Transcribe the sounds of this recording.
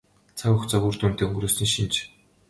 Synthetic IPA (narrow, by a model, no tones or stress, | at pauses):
t͡sʰaɣʊxt͡sɔɣʲuːrt̪uːnt̪eːɵŋɡruːsɘ̆ŋʃint͡ɕ